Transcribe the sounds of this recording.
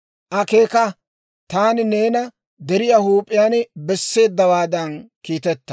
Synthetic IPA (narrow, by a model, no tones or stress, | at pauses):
ʔɐkeːkɐ | t̪aːnɪneːnɐ | d̪ɛɾɪjahuːpʼːɪjaːnbɛsːe̞ːd̪ːɐwaːd̪ɐnkiːt̪ɛt̪ːɐ̥